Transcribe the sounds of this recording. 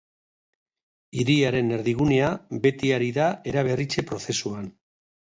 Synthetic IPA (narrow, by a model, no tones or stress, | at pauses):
iɾiaɾe̞ne̞ɾðiɣ̞uneabe̞t̪iaɾiðae̞ɾaβ̞e̞rit͡ʃe̞pɾo̞θe̞suan